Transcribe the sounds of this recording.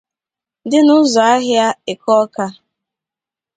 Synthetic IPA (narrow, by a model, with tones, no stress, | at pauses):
dɪ˦nʊ˦zɔ˨a˦ɦja˦ɪ˨kɔ˦ka˦